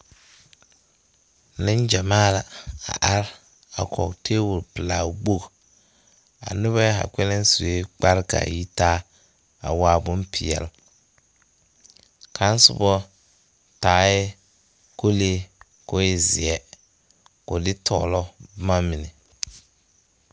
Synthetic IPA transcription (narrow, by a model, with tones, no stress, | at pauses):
nɪ˦nd͡ʒa˨maː˦la˨a̰˨ʔa˦ɾ | a˨kʰɔ̰˨ktʰeː˦wʊ˨ɾpɪ˨laː˨ɡ͡bo˦˨k | a̰˨nʊ˦βa˦a̰˨kʷɛ˦lɪ˦n˦su˨e˦k͡pa˦ɾka̰˨ji˦taː˦ | a̰˨waː˦bʊ˦mpʰɪ˨ɛ̰˨l | kʰa˦n˦sʊ˦bɔ˦ | taː˨˦ɛ˦ | ko˦leː˦ | ko˦ɪ˦˨zɪ˨ɛ˦ | kʊ˨dɪ˦tʰɔ̰ː˦˨lɔ˦ma˦mɪ˨nɛ˨